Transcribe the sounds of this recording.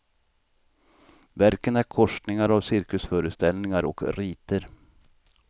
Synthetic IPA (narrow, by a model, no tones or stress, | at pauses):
væɾkənæɾkʰɔʂʈnɪŋaɾavsɪɾkɵsfœːɾəst̪ɛlnɪŋaɾɔ̰kɾiːt̪əɾ